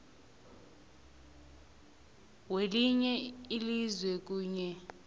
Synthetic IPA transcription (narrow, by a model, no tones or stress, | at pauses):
weliɲɛilizwɛk̬uːɲɛ